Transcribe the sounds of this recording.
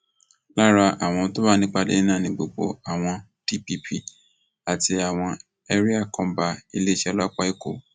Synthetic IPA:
la˦ɾa˧ʔa˨w̃ɔ̃˧to˦ba˦nĩ˦k͡pa˦˧dḛ˦nã˦˨nĩ˨ɡ͡bo˨ɡ͡bo̰˧a˨w̃ɔ̃˧ | ti˦pi˧pʰi˦˨ | a˨ti˧a˨w̃ɔ̃˧ | ɛ˦ɾi˦a˦˨kɔ̃˨˦ba˧i˧le˦ʃɛ˧la˦k͡pa˦i˦˨ko̰˨

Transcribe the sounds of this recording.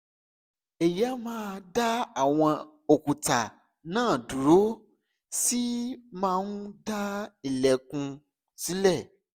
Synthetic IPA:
e˨ja˨˦mãː˦da˦a˨w̃ɔ̃˧ | o˨ku˨ta˨ | nãː˦˨du˨ɾo˨˦ | si˦mãː˦nu˦da˦i˨lɛ˨kũ˧ | si˨˦lɛ˦˨

